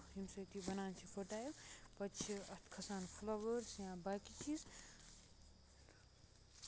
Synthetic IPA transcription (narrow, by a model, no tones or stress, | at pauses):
ɦimsɐt̪ibɐnaːnt͡ʃʰipʰoʈaːjupɐt͡ʃʰiɐt̪ʰkʰɐsaːnpʰlɐʋəɾsjãbakit͡ʃʰis